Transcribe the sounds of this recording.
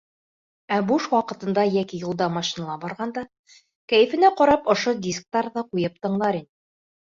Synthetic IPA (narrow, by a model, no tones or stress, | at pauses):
æbuʃwɑqɤ̆t̪ɤ̆nd̪ɑjækijulˠd̪ɑmɑʃinɑlˠɑbɑɾʁɑnd̪ɑ | kæjɘ̆fɘ̆næqɒɾɑpŏʃod̪ʲisk̚t̪ɑɾðɑqujɤp̚t̪ɤ̆ɴlˠɑɾinɘ